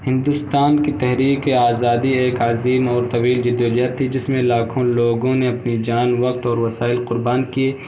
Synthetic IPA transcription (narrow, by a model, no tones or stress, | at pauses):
hɪ̃nd̪ʊst̪aːnkit̪ɛɦɾiːkeaːzaːd̪ieːkaːziːmɔːɾt̪ɐʋiːld͡ʒɪd̪joːd͡ʒat̪ʰːid͡ʒɪsmẽlaːkʰõloːɡõneɐpnid͡ʒaːnʋɐq̚t̪ɔːɾʋɐsaːɪlqʊɾbaːnkieː